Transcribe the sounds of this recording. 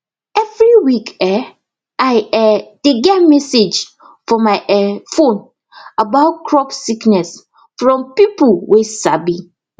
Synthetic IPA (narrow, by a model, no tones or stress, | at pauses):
ɛvɹiwikɛ | aɪɛd̥eɡɛtmɛsed͡ʒ | fɔmaɪʔɛfõn | abaʊt̚kʰɹɔpsiknɛs | fɹɔ̃mpipulwesabi